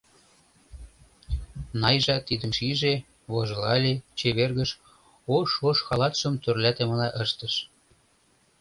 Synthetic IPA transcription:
nɑjʒɑt̪id̪ə̆mʃiʒe | βoʒɤlɑlʲet͡ɕeβerɣəʃ | oʃoʃxɑlɑt̪ʃə̆mt̪ørlʲæt̪emɤ̆nɑʔəʃt̪ə̆ʃ

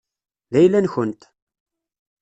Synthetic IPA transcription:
ðæjlænçənt̪

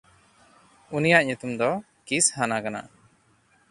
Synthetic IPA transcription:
unijaʔɲut̪umd̪ɔ | kishanakana̰

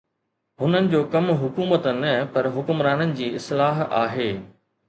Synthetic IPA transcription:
ɦʊnənɪ̆d͡ʑoːkɐmɦʊkuːmət̪ənɐpɐɾɦʊkʊmɾaːnənɪ̆d͡ʑiːɪslaːɦa̰ːɦeː

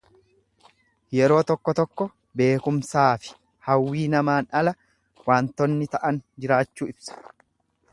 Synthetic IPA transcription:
jɛɾo̞ːt̪ɔkːɔt̪ɔkːɔ | be̞ːkʊmsaːfɪ̥ | hɐwːiːnɐmaːnɐlɐ | waːnt̪ɔnːɪt̪ɐʔɐnd͡ʒɪɾaːt͡ʃːuːɪbsɐ̥

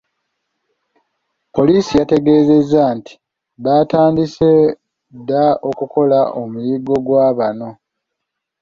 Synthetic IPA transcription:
po̞liːsijate̞ɡe̞ːze̞zːanti̥ | βataːndise | dːao̞kuko̞laʔomuliɡo̞ɡwaːβano̞

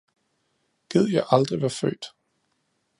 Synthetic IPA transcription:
ɡ̥eð̞̰ˠjɑ̈ɪʔɑ̈ld̥ʁiʋæɐfø̰ːd̥

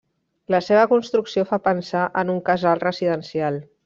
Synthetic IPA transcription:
ləseβ̞əkunst̪ɾuksiofapənsaʔənuŋkəzalˠrəziðənsialˠ

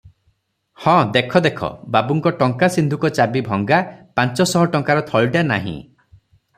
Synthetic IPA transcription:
hɔ̃d̪ekʰɔd̪ekʰɔ̰babuŋkɔʈɔŋkasind̪ʱukɔt͡ʃabibʱɔŋɡapant͡ʃɔsɔɦɔʈɔŋkaɾɔt̪ʰɔɭɖana̰ɦḭ̃

